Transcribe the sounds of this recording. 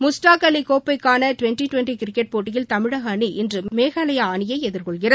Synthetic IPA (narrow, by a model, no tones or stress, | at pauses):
mʊsʈaːkɐlikoːpːɐɪkːaːnɐʈʋɛnʈiʈʋɛɳʈikɪɾɪkːɛʈ̚poːʈːɪjɪlt̪ɐmɪɻɐɣɐniʔɪndrɯmeːɣɐlɐjɐaːnɪjɐɪɛðɪɾkɔɭɣɪrɐ